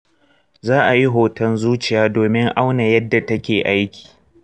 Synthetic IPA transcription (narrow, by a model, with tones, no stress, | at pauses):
zaː˦ʔa˨ji˦ɦoː˨tɐ˦nzuː˦t͡ʃɪ˨jaː˦doː˨mɪ˦ŋʔa˦wna˨jɐ˦dːa˨tɐ˦kʲeː˨ʔa˦jkʲi̥ː˨